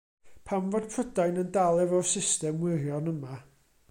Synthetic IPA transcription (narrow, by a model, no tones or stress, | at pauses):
pʰamvɔd̥pʰrədajnəndalˠɛvɔsɪstɛmwɪrjɔnəma